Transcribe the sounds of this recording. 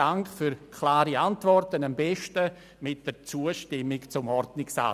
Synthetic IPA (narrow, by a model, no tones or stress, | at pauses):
aŋkχfyɾkʰlaːɾiantvɔrtənambɛʃtə | mɪt̚d̥əɾt͡suːəʃtɪmɪkt͡sʊmɔrdnɪksa̰